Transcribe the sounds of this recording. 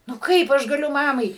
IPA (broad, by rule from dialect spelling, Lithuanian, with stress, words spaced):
nʊ ˈkɐɪp ɐʃ ɡɐˈlʲʊ ˈmɑːmɐɪ